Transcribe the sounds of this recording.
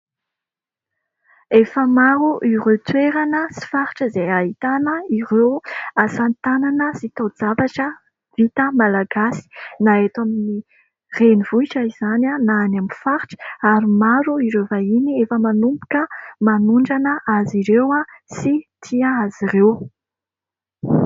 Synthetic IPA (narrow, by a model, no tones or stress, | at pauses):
efəmaɾuʔiret̪weɾanəsi̥faɾi̥ʈ͡ʂəzeaɦit̪anəirewasant̪ananəzit̪awd͡zavaʈ͡ʂə | v̥it̪əmalaɡasi̥naet̪amini | renivuiʈ͡ʂəiz̥ananaːnaminfaɾiʈ͡ʂə̥aɾimaɾuiɾewvainiefəmanumpu̥kəmanuɳɖ͡ʐanəaziɾewasit̪ʰiaazirew